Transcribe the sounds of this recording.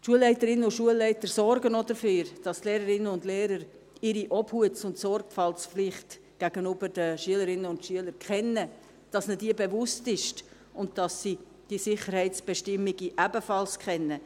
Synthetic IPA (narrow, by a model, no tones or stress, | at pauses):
ʃuəlːɛɪtəɾɪnːənʊntʃuəlːɛɪtəɾsɔɾɡənodəføːɾd̥ɑstleːɾəɾɪnənʊndleːɾəɾ | ɪɾiʔɔbhuətt͡sʊntsɔrɡfɑlsflɪχt | ɡ̥æɡ̥ənybəɾd̥əʃyələɾɪnənʊntʃyələɾkχɛnːə | d̥ɑsnədiːbevʊstɪʃt | ʊntd̥ɑsːi | d̥iːsɪχəɾhɛɪt͡sb̥ɛʃtɪmːiɡiʔæbəfɑlskχɛnːə